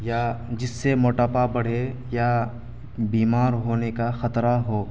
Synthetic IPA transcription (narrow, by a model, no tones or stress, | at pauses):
jad͡ʒɪsːemoːʈaːpabɐɽ̤e | ja | biːmaːɾɦoːnekaxɐt̪ɾaɦoː